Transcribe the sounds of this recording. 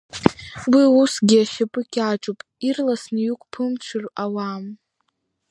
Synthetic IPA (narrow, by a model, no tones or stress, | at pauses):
wiusɡʲiaʃapʼɨkʲʰʼaʈ͡ʂʼupʼ | irlasnijukʷʼpʰɨmt͡ʃʷʰɨrawam